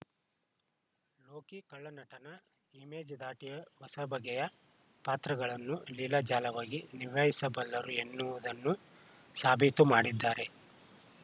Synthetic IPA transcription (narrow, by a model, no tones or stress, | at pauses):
loːkikɐɭːɐnɐʈɐnɐ | imeːd͡ʒɐd̪aːʈijɐʋɐsɐbʱɐɡɛjɐ | paːt̪ɾɐɡɐɭɐnːulilɐd͡ʒaːlɐʋaːɡiniʋɐjisɐbɐlːɐɾue̞nːuʋud̪ɐnːu | saːbʱit̪umaːɽid̪ːaːɾe̞